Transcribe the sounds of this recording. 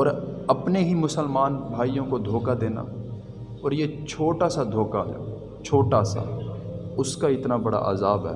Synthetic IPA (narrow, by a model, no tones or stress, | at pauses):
ɔːɾɐpneɦimʊsəlmaːnbʱaːijõkod̪ʱoːkad̪eːna̰ː | ɔːɾjet͡ʃʰoːʈasad̪ʱoːkaɦɛ̰ | t͡ʃʰoːʈasa̰ | ʊskaɪt̪nabɐɽa̰ʔa̰ːzaːbɦɛ̰ː